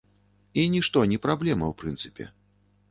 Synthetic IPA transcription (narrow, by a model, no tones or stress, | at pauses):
inʲiʂt̪ɔnʲipɾablʲɛmɐ̰wpɾɨnt̪sɨ̥pʲɛ̰